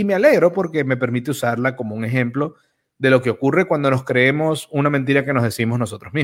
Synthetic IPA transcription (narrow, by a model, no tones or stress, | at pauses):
ime̞ale̞ɣɾo̞po̞ɾke̞me̞pe̞ɾmit̪e̞usaɾlakomo̞uŋe̞xe̞mplo̞ | ðe̞lo̞ke̞o̞kure̞kwand̪o̞no̞skɾe̞emo̞sunamẽnt̪̬iɾake̞no̞zðesimo̞zno̞so̞t̪ɾozmi